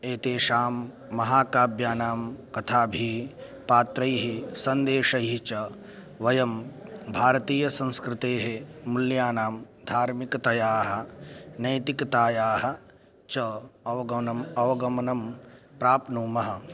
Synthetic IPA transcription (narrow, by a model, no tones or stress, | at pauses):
eːt̪eːʃaːmː | ɐɦaːkaːbʱjaːnaːmkɐt̪ʰaːbʱi | paːt̪ɾɐjɦisɐnd̪eːʃɐjɦit͡ʃɐ | ʋɐjɐmbʱaːɾɐt̪iːjɐsɐ̃nskɾɪt̪eːɦemuljaːnaːm | d̪ʱaːɾmikɐt̪ɐjaːɦɐ̆nɐjt̪ikɐt̪aːjaːɦɐ̆ | t͡ʃɐɐʋɐɡɐnɐmɐʋɐɡɐmɐnɐmpɾaːpnuːmɐɦɐ̆